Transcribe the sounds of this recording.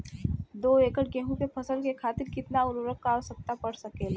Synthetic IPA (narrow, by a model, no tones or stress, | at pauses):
d̪oːeːkəʈ̚ɡẽːɦũkepʰɐsəlkekʰaːt̪ɪɾkɪt̪naʊluɾəkkaosɐk̚t̪apɐɽsɐkeːl